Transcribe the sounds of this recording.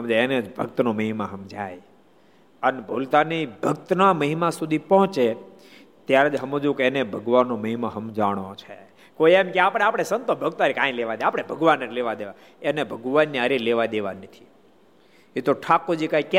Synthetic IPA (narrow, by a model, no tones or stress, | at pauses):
ɦəmd͡ʒaened͡ʒbʱəkt̪noməɦimaɦəmd͡ʒa̰j | ənbʱolt̪anibʱək̚t̪naməɦimasud̪ʱipɔɦt͡ʃe | t̪jaɾd͡ʒɦəmod͡ʒũkenebʱəɡʋanːõməɦimaɦəmd͡ʒaɽ̃õt͡ʃʰe | koiemkeapɽ̃eapəɽ̃esənt̪õbʱəɡ̚t̪aɾikãĩleʋad̪eapɽ̃ebʱəɡʋanəɾileʋad̪eʋa | enebʱəɡʋanːiəɾileʋad̪eʋanət̪ʰi̥ | et̪oʈʰakod͡ʒikaik